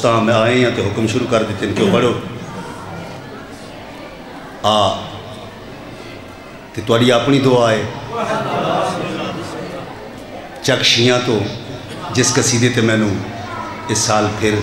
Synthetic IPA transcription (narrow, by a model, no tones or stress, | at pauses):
t̪ãːmɛ̃ːaːẽːãːt̪eːɦʊkəmʃʊɾuːkəɾd̪ɪːt̪ːɪnkjõːpəɽjoː | aː | t̪eːt̪ʊaːɖiːaːpɳiːd̪oːaːeː | t͡ʃəkʃɪjãːt̪õː | d͡ʒɪskəsiːd̪eːt̪eːmɛ̃ːnũː | ɪsːaːlpʰɪɾ